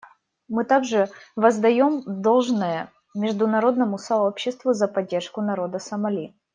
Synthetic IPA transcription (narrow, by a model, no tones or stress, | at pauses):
mɨt̪aɡʐɨvəzd̪ɐjo̞md̪o̞lˠʐnəjə | mʲɪʐd̪ʊnɐɾo̞d̪nəmʊsɐo̞pɕːɪst̪vʊzɐpɐdʲːe̞rʂkʊnɐɾo̞d̪əsɐmɐlʲi